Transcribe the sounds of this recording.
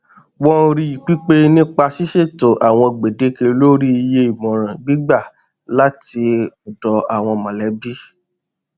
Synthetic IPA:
wɔ˦˧ɾi˧i˨k͡pi˦k͡pe˦nĩ˦k͡pa˧ʃi˦ʃe˦˨to˨ʔa˨w̃ɔ̃˧ɡ͡be˨de˨˦ke˧lo˦ɾi˦i˧je˧i˨mɔ̃˨ɾ̃ã˨ɡ͡bi˦ɡ͡ba˦˨ | la˦ti˧ɔ˨dɔ˨˦a˨w̃ɔ̃˧mã˨lɛ˨˦bi˦

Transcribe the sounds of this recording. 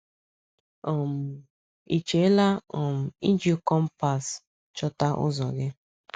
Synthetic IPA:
ɔ˨m̩˨ | i˨t͡ʃe˨˦la˦ɔ˨m̩˨i˦n˦d͡ʒi˦o˦kɔ˦m̩˦pa˨s | t͡ʃɔ˦ta˦ʔʊ̰˦zɔ˨ɡɪ˦

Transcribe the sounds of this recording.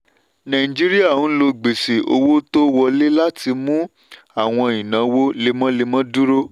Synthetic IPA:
nã˨i˨d͡ʒi˦ɾi˦a˦˨ũ˨˦lo˧ɡ͡be˨se˨ʔo̰˧wo˦to˦wɔ˧le˦la˦ti˧mũ˦ | a˦˨w̃ɔ̃˧i˨nã˨wo˦le˧˦mɔ̃˦le˧mɔ̃˦du˦ɾo˦

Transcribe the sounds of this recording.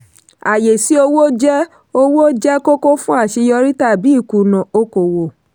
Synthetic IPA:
a˨je˨si˨˦o˧wo˦d͡ʒɛ˦ | o˧wo˦d͡ʒɛ˦ko˦ko˦fũ˦a˦˨ʃi˧jɔ˧ɾi˦ta˦˨bi˨˦i˦˨ku˨nɔ̃˨o˦ko˨wo˨

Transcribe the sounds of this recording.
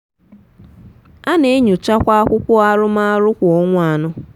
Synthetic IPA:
a˦ne˦ɲu˨t͡ʃa˦kʷa˦a˦kʷʊ˦kʷʊ˦a˦ɾʊ˦ma˦ɾʊ˦kʷo˦ŋʷa˨nʊ˦

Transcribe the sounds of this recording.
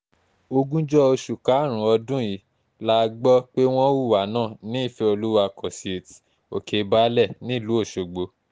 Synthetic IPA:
o˧ɡũ˦d͡ʒɔ˦o˧ʃu˨ka˨˦˨ɾ̃ũ˨˦ɔ˧dũ˦ji˨˦ | la˦˧ɡ͡bɔ˦k͡pe˦w̃ɔ̃˦wu˦˨wa˨˦nãː˦˨nĩ˨˦i˦˨fe˧˦o˧lu˦wa˧kɔ˨si˨e˨ti̥˨ | o̰˨kʰe˨˦ba˦lɛ˦˨nĩ˨˦˨lu˨˦o˦˨ʃo˨ɡ͡bo˨˦

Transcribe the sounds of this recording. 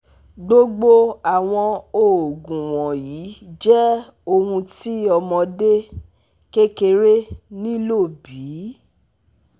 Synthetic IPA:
ɡ͡bo˦ɡ͡bo˦a˨w̃ɔ̃˧o˨o˨ɡũ˨w̃ɔ̃˨ji˨˦d͡ʒɛ˦ | o˧ũ˧ti˦ɔ˧mɔ̃˧de˦ | ke˦ke˧ɾe˦nĩ˦lo˦˨bi˨˦

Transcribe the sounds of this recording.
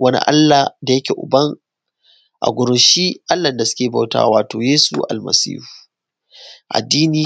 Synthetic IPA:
wʔɐ˦nḭ˦ʔa̰˦lːa˨da˨jɐ˦kʲe˨ʔʊ̰˨bɐ˦ŋ | ʔa̰˨ɡʷʊ˨ɾʊ˨ʃiː˦ʔa˦lːɐ˨nda˨sʊ̥˦kʲeː˨ba˨wta̰ː˦waː˨toː˨jeː˦sṵ˦˨ʔa̰˨lmɐ̰˨sḭː˦hu̥˨ | ʔa̰˨dːiː˦niː˦

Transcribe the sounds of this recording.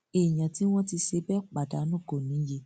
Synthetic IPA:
e˨j̃ã˨ti˦w̃ɔ̃˦ti˧ʃe˧bɛ˦k͡pa˨da˨˦nũ˦˨ɡo˨nĩ˨˦je˧˦

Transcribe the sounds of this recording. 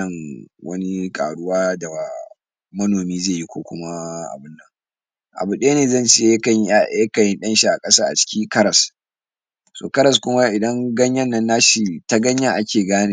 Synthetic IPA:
ɐ˨ŋwɐ̰˦ni˦kʼa̰ː˨ɽʊ˦waː˦da˨wa˨ | mɐ˦noː˨miː˦zeː˦˨ji˦kʷo̰ː˦kʷʊ˦ma˦ʔa̰˨bɪ˦nːɐ˦˨ŋ | ʔa̰˨bu˨ɗe˦neː˨zɐ˦nt͡ʃːjɐ˦kɐ˨˦˨jɐ˦kɐ˨jɪ˦nɗɐ˦nʃi˦ʔa˨kʼɐ˦saː˦ʔa̰˨t͡ʃɪ̥˦kʲi˦kɐ˦ɾɐ˨s | so̰ː˨kɐ˦ɾɐ˨s̬kʷʊ˦ma˦ʔɪ˨dɐ˦ŋɡɐ˦ɲjɐ˦nːɐ˦nːa˦ʃi˦ta˦ɡɐ˦ɲja˦ʔa˦kʲeː˨ɡaː˦neː˨

